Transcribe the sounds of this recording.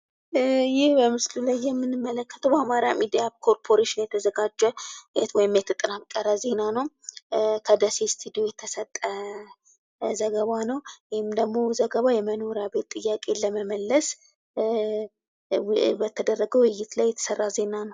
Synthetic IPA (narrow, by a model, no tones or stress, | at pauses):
jɪhbəmɨslulajːɛmːɨnɨmːələkːə̥t̪ʰəwbəamaɾamid̪ijaβkʰo̞ɾpʰo̞ɾeʃɪnjɛt̪ʰəzəɡad͡ʒːɛɛwɔjɪmjɛt̪ʰət̪ʼɨnamkʼəɾəze̞nanəw | kʰəd̪əsest̪ʰud̪io̞jɛt̪ʰəsət̪ʼːə | zəɡəβanəwwhɪmd̪əɡmo̞zəɡəβajɛməno̞ɾjabe̞t̪ʼːɨjːakʼe̞ləməməlːəs | bət̪ʰəd̪ərːəɡəwɪjːɪt̪lajːɛt̪ʰə̥sərːaze̞nanəw